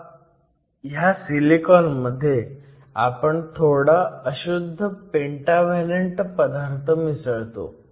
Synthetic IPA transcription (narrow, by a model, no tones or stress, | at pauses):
ɦjasilikɔnməd̪ʱːje | a̰pəɳt̪ʰoɽaəɕud̪ʱːəpeɳʈaʋaleɳʈpəd̪aɾt̪ʰəmisəɭt̪o̰